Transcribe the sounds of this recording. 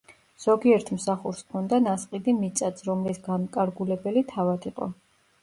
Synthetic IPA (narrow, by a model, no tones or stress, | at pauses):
z̥ɔɡiɛɾt̪ʰmsaχuɾskʰɔnd̪anasqʼid̪imit̪sʼat̪sʰɾɔmlisɡamkʼaɾɡulɛbɛlit̪ʰavad̪iqʼɔ̰